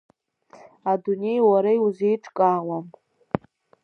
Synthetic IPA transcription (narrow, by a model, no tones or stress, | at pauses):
adune̞jwaɾajuzejʈ͡ʂʼkʼawam